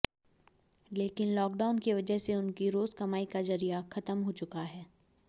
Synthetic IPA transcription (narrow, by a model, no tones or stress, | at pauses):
leːkɪnlɔːkɖaːʊnkiʋɐd͡ʒəɦseʊnkiɾoːzkɐmaːikazɐɾijaxɐt̪əmɦot͡ʃʊkaɦɛː